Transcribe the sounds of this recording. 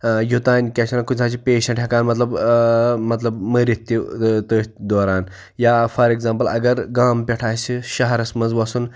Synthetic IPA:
jut̪aːnʲkʲɐʃʰɐnakusʰaːt͡ʃʰipeːʃɐ̃ʈʰʲɐkaːnmɐt̪lɐb | mɐt̪lɐbməɾit̪ːit̪od̪oːɾaːn | jaːfɐɾeɡzaːmpɐlɐ̰ɡɐɾɡaːmpʲɐʈʰaːsiʃɐɦɐɾɐsmɐnzʋɐsun

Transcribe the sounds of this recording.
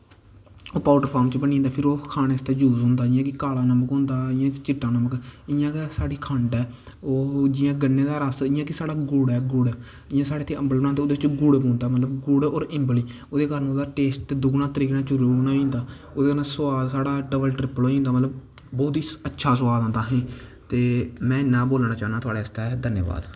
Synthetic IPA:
oːpaːʈəɾpʰaːɾmt͡ʃbənĩːnd̪aːpʰɪɾoːkʰaːneːst̪eːd͡ʒuːzɦõːnd̪aːɪjãːkɪkaːlaːnəməkɦõːnd̪aːɪjãːkɪt͡ʃɪʈːãːnəməkɪjãːksaːɽiːkʰəɳʈɛː | oːd͡ʒɪːãːɡənːeːd̪aːɾasɪːjãːkɪsaːɽaːɡʊɽɛːɡʊɽɛː | ɪjãːsaːɽeːt̪ʰeːə̃mbəlːnãːt̪eːod̪eːt͡ʃɡʊɽbõːnd̪aːmət̪ləbɡʊɽoːɾɪ̃mbliː | oːd̪eːkəɾənoːd̪aːʈeːsʈ̪eːd̪ʊɡnãːt̪əɾiːkːnãːt͡ʃəɾuːoːnaːĩːnd̪aː | oːd̪eːkəɾnasʊaːd̪saːɽaːɖəbəlʈɾɪpəloːĩːnd̪aːmət̪ləb | bɔːt̪iːətːʃʰaːs̬ʊʋaːd̪ãːnd̪aːɦɛ̃ːt̪eːmɛ̃ːnãːboːlnãːt͡ʃaːnãːt̪ʊaːɽaːəst̪ad̪ʱənjə̰ːʋa̰ːd̪

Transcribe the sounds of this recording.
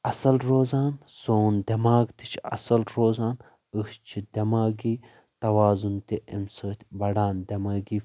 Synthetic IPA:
ɐsɐlɾoːzaːnsoːnd̪ʲɐmaːɡt̪i̥t͡ʃʰɐ̰sɐlɾoːzaːn | ɨt͡ʃʰid̪ɐmaːɡiː | t̪ɐʋaːzunt̪iʔemsəːt̪ʲbɐɽaːnd̪ʲɐmaːɡiː

